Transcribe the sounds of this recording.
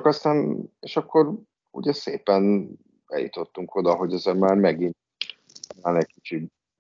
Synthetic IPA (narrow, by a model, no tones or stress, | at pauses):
kɒst̪aːneːʃɒkːo̞ɾ | ṵɟɛsḛːpɛn | b̥ɛ̰jṵt̪o̞t̪ːuŋkʰo̞d̪ɒɦo̞ɟɛzemmaːrmɛɡint̪ | naːnɛcʲkit͡ʃid